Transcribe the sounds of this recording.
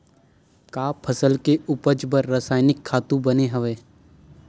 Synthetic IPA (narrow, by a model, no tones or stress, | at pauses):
kaːpʰəsəlkeʊpəd͡ʒbəɾːəsaːɪnɪkʰːaːt̪ũbəneɦəʋeː